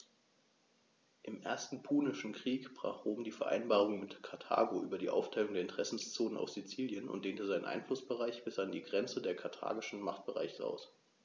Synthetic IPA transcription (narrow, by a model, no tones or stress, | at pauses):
ʔɪmʔeːɐstn̩pʰuːnɪʃn̩kʁ̥iːkb̥ʁ̥a̰ːχʁ̥oːmdiːfɛɐʔa̰ɪnbaːʁ̞ʊŋmɪtkʰaɐtʰa̰ːɡoʔyːbɐdiːʔa̰ʊftʰaɪlʊŋdeɐɪntʰəʁ̥ɛsn̩st͡soːnənʔa̰ʊfz̥it͡siːljənʊ̰ntd̥eːntəzaɪnə̰nʔa̰ɪnflʊsb̥əʁaɪçb̥ɪsʔandiːɡʁɛnt͡sədeːɐkʰaɐtʰa̰ːɡɪʃn̩maχt̚b̥əʁa̰ɪçəʔa̰ʊs